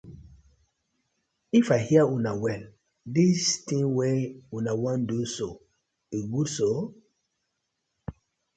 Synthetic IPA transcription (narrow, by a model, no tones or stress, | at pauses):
ifahiəunawɛl | distĩŋweunawɔ̃nduso | iɡudso